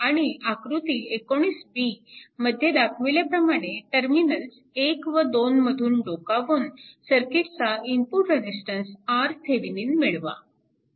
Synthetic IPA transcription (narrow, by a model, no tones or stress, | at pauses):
aɽ̃iakɾut̪iekoɽ̃iːsbiməd̪ʱjed̪akʰʋeljapɾəmaɽ̃eʈəɾminəls | ekʋəd̪onməd̪ʱuːnɖokaʋuːnsəɾkiʈt͡saimpuʈɾed͡ʑisʈənsaɾt̪ʰeʋiniːnmiɭʋa̰